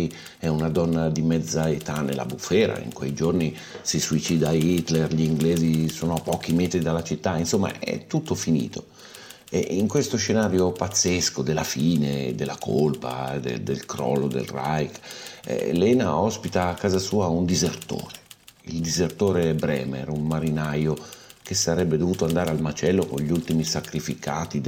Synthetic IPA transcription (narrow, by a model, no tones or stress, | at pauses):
ɛunad̪ɔnːad̪imɛd̪zaet̪anḛlːa̰bufɛːɾa̰ḭŋkwejd͡ʒorni | sisuit͡ʃiːd̪ait̪lerʎiŋɡleːzisoːnoapːɔːkimeːt̪ɾid̪alːat͡ʃit̪ːainsomːa̰ɛ̰t̪ːut̪ːofinḭːt̪ʰo | ɛ̰iŋkwest̪oʃenaːɾjopat̪sːeskod̪elːafiːned̪elːakʰolpa̰d̪ḛd̪elkɾɔ̰ːlːod̪ḛlrajkɛ̰lɛːnaɔspit̪aːkːaːzasuːaund̪izert̪o̰ːɾe̥ild̪izert̪oːɾebɾɛ̰ːmḛrummaɾinajok̟esaɾɛbːed̪ovuːt̪oand̪aːɾealmat͡ʃɛlːokonʎult̪imisakɾifikaːt̪id̪